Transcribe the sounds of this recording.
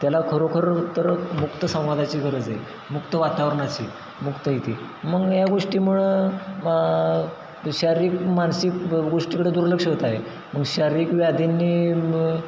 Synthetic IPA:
t̪jalakʰəɾokʰəɾt̪əɾmukt̪əsə̃w̃ʋad̪at͡ɕiːɡʱəɾəd͡ze | mukt̪əʋat̪aʋɾəɳat͡ɕḭː | mukt̪əɦit̪iː | məɡjaɡoʂʈiːm̤uɭ | ɕaɾiːkmansikɡoʂʈiːkəɽed̪uɾləkʂəɦot̪aɦe | məɡɕaɾiːkʋjad̪ʱinːiː

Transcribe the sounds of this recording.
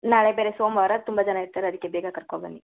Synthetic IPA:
naːɭebeːɾesoːmʋaːɾɐt̪umbɐd͡ʒɐnaiɾt̪aːɾeɐd̪ikːebeːɡɐkɐɾkobɐnːi

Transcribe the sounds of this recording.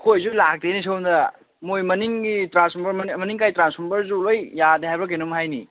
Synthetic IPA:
kʰojzulak̚denis̬ʰowndɐ | mojmɐniŋɡitɾansɔmbɐɾmmɐniŋkajtɾansɔmbɐɾzulojːadehajbɾɐk̬enumɦajnḭ

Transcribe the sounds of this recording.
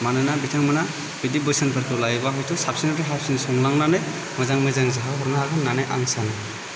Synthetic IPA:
manɯnabitʰaŋmɯna | bidibɯsanpʰɯɾtɔlajbaɦɔjtʰɔsap̚sinatɔɦap̚sinsɔŋlaŋnanɯj | mɯjzaŋmɯzaŋzaɦaɦɔɾnaaɡɯnːanajʔa̰ŋsanɯj

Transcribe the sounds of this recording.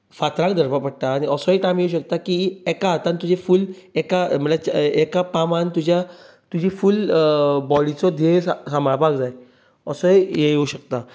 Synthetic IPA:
fat̪ɾãk̚d̪ʱəɾpapəɽ̚t̪aːɽ̃iəsɔiʈajmjeuɕəkt̪akiekat̪ant̪ud͡ʑʱefulekam̤əʈat͡ɕekapamant̪ud͡ʑja | t̪ud͡ʑʱifulbɔɽit͡sɔd̪ʱessamaɭpakd͡zaj | əsɔijejeuɕək̚t̪a

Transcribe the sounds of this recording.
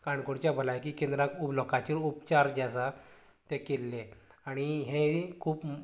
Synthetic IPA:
kãɳkoɳt͡ɕjabʱəlajkiːkẽnd̪ɾãkublɔkʰat͡ɕiɾupt͡ɕaɾd͡ʑasa | t̪ẽkelːẽaɽ̃iɦẽkʰuːp

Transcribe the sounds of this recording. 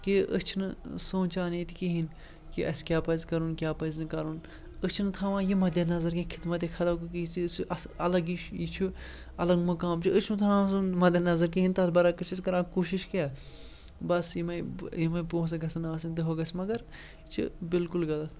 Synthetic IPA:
kiə̰t͡ʃʰinɨsõːnt͡ʃaːniːt̪ʰi̥kiɦin | kiɐskʲjaːpɐzkɐɾunkʲjaːpɐznɨkɐɾun | əst͡ʃʰinɨt̪ʰaːʋãːjimɐd̪jɐnɐzɐɾkĩkʰɪt̪mɐt̪̬ikʰɐt̪ɐkɨkiisʔɐɐlɐɡiit͡ʃʰu | ɐlɐɡmɐkaːmt͡ʃʰiət͡ʃʰnɨt̪ʰãːmsunmɐd̪ʲjɐnɐzɐɾkiɦint̪ɐt̪ʰbɐɾaːkɐt͡ʃʰit̪kɐɾãːkuːʃiʃkeː | bɐsjimɐjimɐpõːs̬ɐɡɐsɐnɐaːsint̪ɨɦoɡɐsmɐɡɐɾ | t͡ʃʰṵbɪlkulɡɐd̪ɐt̪ʰ

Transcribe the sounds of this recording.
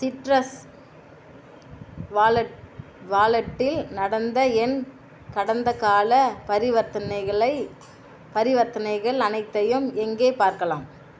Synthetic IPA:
sɪʈɾɐs | ʋaːlɐʈ | ʋaːlɐʈːɪlnɐɽɐnd̪ɐɛn | kɐɽɐnd̪ɐkaːlɐpɐɾɪʋɐt̪ːɐnɐɪɣɐɭɐɪ | pɐɾɪʋɐt̪ːɐnɐɪɣɐɭɐnɐɪt̪ːɐjɯmɛŋɡeːpaːɾkɐlaːm

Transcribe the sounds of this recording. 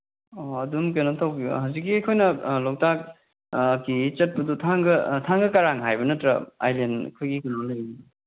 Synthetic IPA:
oɐdumk̬enɐtʰɐwbiɐ̰hawzik̬ːiɐjkʰojnɐlow̚tak̚ː | kːit͡ʃɐt̚pɐdutʰaŋɡɐtʰaŋɡɐkɐɾaŋɦajbɐnɐtɾɐa̰jlenkʰɯɡikunoŋlɐjibi

